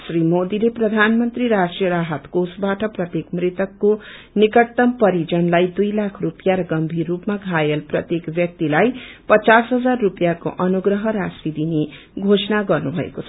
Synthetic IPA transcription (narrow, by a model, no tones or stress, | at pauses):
srimod̪ileprʌd̪ʱanmʌnt̪riɾasʈrijʌɾaɦʌt̪kosbaʈʌprʌt̪jekmrit̪ʌkːo | nikʌt̪ːʌmpʌɾid͡zʌnlajd̪ujlakʰrupjaɾʌɡʌmbʱirːupmaɡʱajelprʌt̪jekbjʌk̚t̪ilajpʌt͡sasɦʌd͡zarːupjako̰ʔʌnuɡrʌɦʌɾasid̪ine | ɡʱosʌnaɡʌrnubʱʌḛkot͡sʰʌ